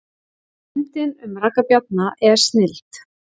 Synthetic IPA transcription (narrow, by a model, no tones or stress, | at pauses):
nt̪ɪnʏmrakapjat̪̚naʔɛɾ̥st̪nɪlt̪